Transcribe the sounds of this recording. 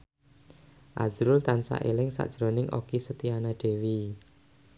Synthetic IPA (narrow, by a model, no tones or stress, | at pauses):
ʔazɾʊlt̪ansa̰ʔelɪŋsa̰ʔd̥ʒ̥ɾonɪŋʔo̰kisət̪ianaɖ̥e̤wi